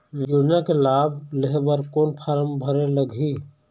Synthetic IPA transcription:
d͡ʒuɽjakelaːbʱleɦbəɾkoːnpʰaɾəmbʱəɾeləɡʱi

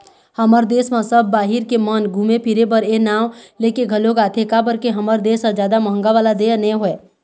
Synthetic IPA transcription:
həməɾd̪esmasəbʱːaɦiɾkemənɡʱũmepʰiɾebəɾenawlekeɡʱəloɡat̪ʰekabəɾkeɦəməɾd̪esad͡ʒjaːd̪aməɦəŋɡaʋalad̪enɛɦoe

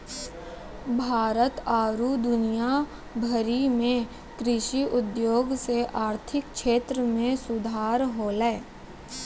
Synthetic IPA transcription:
bʱaːɾət̪aːɾud̪ʊnija | bʱəɾimẽ | kɾɪʃiʔʊd̪joːɡseʔaːɾt̪ʰɪkkʃeːt̪ɾəmẽsʊd̪ʱaːɾɦoːlɛː

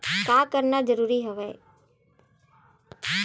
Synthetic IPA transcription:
kaːkəɾnad͡ʒəɾuːɾiɦʊʋeː

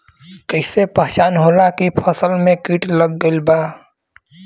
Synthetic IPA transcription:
kəɪsepəɦt͡ʃaːnɦoːlakipʰəsəlmẽkiːʈləɡːəlbaː

